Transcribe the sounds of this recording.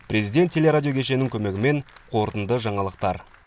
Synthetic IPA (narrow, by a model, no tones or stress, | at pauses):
pʰɾe̞zijd̪ʲet̪ʲːʰe̞le̞ɾadʲijo̞kʲʰe̞ʃ̬e̞nɪŋkʲʰɵme̞ɡʲɪme̞ɴqʰo̞ɾt̪ənd̪əʒɑɴɑlˠəqt̪ɑɾ